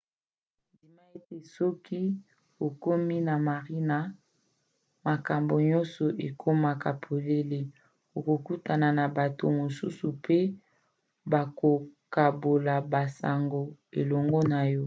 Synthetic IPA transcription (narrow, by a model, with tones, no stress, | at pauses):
ndi˨ma˦e˦te˨sɔ˦ki˦ | o˨ko˦mi˦na˨ma˨ʁi˦na˦ | ma˨ka˨mbo˨ɲɔ˦nsɔ˨ʔe˨kʰo˦ma˨ka˨pʰo˨le˦le˦ | o˨ko˨ku˦ta˨na˨na˨ba˨to˨mo˨sṵ˦su˨pe˦ | ba˨ko˨ka˨bo˨la˨ba˨sa̰˨ŋɡo˨ḛ˨lɔ˨ŋɡɔ˦na˨jɔ˦